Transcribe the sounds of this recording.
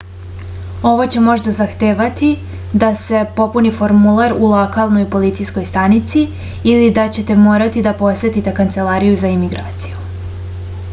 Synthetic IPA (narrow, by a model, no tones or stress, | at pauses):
o̞ʋo̞t͡ɕe̞mo̞ʒd̪azaxt̪eːʋat̪i | d̪ase̞po̞punifo̞ɾmulˠaɾulˠokalˠno̞jpo̞lit̪sijsko̞jst̪anit̪siː | lid̪at͡ɕe̞t̪e̞mo̞ːɾat̪id̪apo̞sʋe̞t̪it̪e̞kant̪se̞lˠaːɾijuzaimiɡɾaːt̪si̥ju